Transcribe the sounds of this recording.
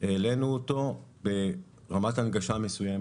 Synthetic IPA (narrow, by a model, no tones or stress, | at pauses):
ele̞nuoto̞be̞ | ʁamatanɡaʃame̞sujem